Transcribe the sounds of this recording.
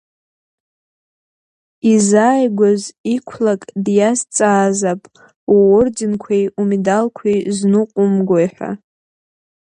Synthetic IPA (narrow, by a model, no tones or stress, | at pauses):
izaːjɡʷazikʷʰlakʼdjast͡sʼaːzapʼ | waord͡ʒɪnkʷʰejumidalkʷʰejznuqʷʼʊmɡʷojħʷᶣa̰